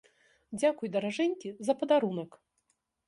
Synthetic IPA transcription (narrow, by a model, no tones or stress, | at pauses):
d͡zʲakujd̪ɐɾaʐɛnʲkʲizɐpɐd̪aɾunɐk